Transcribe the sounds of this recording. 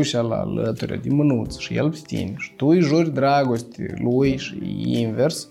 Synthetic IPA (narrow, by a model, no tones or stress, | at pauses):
ʃʲala̰lət̪uɾʲa̰d̪ʲimənut̪t͡s̪ʃɨjḛlpsʲt̪ʲḭnʲʂɨ̥t̪ujʐuɾʲd̪ɾaɡosʲt̪ʲilujʂinvʲers